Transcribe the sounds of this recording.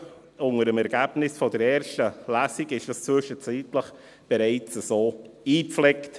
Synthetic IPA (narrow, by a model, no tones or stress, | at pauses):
ʊŋəɾəmɛɾɡ̥æb̥nɪsfɔdəɾɛːɾʃtəlæsiɡɪʃd̥ɑst͡sʋʏʃət͡siːtləχ | b̥ɛɾaɪt͡səzoːiːpflɛkt